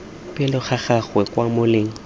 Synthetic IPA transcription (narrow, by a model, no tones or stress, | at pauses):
pʼɪlʊχaχaχwɛkwamʊleːŋ̩